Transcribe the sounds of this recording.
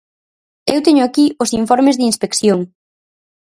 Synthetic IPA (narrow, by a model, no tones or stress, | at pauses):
ewt̪eɲʊakiʊsiɱfɔɾmɪzðɪinspekθjoŋ